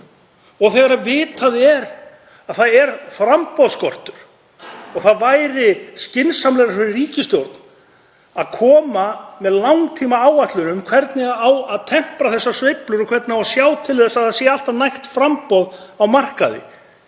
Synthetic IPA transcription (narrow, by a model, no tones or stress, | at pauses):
ɔɣθɛɣaɾavɪːt̪ʰaðɪɛɾ | aðθaðɛɾfɾampɔðskɔr̥t̪ʏɾ̥ | ɔɣθaðvaːjɾɪscɪnsamlɛɣɾaɾfɪɾɪriːcɪst̪jowɾt̪n | aðkʰɔːmamɛðlawŋt̪ʰiːmaaːwat̪lʏnʏmkʰvɛɾt̪nɪaawaðt̪ʰɛm̥pɾaθɛsːasvejplʏɾɔkʰvɛt̪naawasjaːwt̪ʰɪlθɛsːaðasjɛaal̥t̪avnajht̪fɾampɔðawmar̥kaðɪ̰